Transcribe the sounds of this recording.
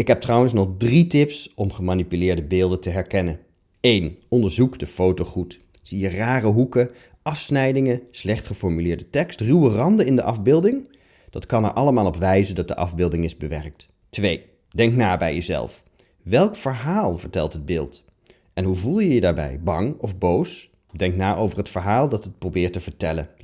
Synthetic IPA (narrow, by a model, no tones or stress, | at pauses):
ɪkɦɛp̚trɑwəns̬nɔχdritɪpsɔmχəmaːnipylɪːɹdəbɪːlˠdəntəɦɛɹkɛnən | ejnɔndəɹzukdəfowtoχut | z̥ijəraːrəɦukə | ʔɑfsnɛjdɪŋəslɛχtχəfɔɹmylɪːɹdətɛkstrywərɑndənɪndəʔɑvbɪːlˠdɪŋ | d̥ɑtkɑnɛ̰ɹʔɑləmaːlˠɔpʋɛjzəndɑt̚dəʔɑ̰vbɪːlˠdɪŋɪzbəʋɛrk̚t | tʋej | dɛŋknaːbɛ̰jəzɛ̰lˠf | ʋɛlˠkfəɹɦaːlˠvəɹtɛlˠtɦəd̚bɪːlˠt | ɛnɦuvulˠjəjədaːɹbɛ̰jbɑŋɔvbows | dɛŋknaːʔowvəɹɦətfəɹɦaːlˠdɑtət̚prowbɪːɹtəv̥əɹtɛlə̰n